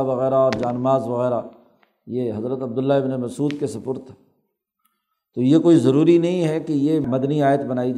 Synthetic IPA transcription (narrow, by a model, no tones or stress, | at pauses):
ʋɐɣɛːɾaɔːɾd͡ʒaːnmaːzʋɐɣɛːɾa | jeɦɐzɾət̪ɐb̚d̪ʊlːaɪbnemɐsuːd̪kesɐpʊɾt̪ɦɛ | t̪oːjekoːizɐɾuːɾinɐɦĩɦɛkejemɐd̪niaːjət̪bɐnaːid͡ʒ